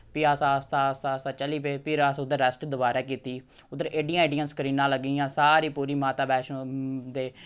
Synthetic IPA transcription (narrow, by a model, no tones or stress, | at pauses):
piːaːsãst̪aːsaːst̪aːt͡ʃəliːpeːpʰɪɾəsʊd̪eɾəsʈd̪ʊbaːɾeːkiːt̪iː | ʊd̪əɾeːɖijãːeːɖijə̃nskəɾiːnãːləɡiːjãːsaːɾiːpuːɾiːmaːt̪aːbɛːʃõd̪eː